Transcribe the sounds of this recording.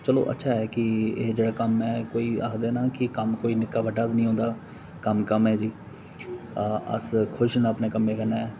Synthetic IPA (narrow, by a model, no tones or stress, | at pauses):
t͡ʃəlo̰ːʔə̰tːʃʰaːɛːkɪeːd͡ʒeːɽaːkəmɛ̃ːkoːiːa̰ːkʰd̪eːnaːkɪkəmkoːiːnɪkːaːʋəɖaːd̪nəĩːɦõːnd̪aː | kəmkəmɦɛːd͡ʒiː | ə̰skʰʊʃnaːəpneːkəmẽːkəɾnaːɛː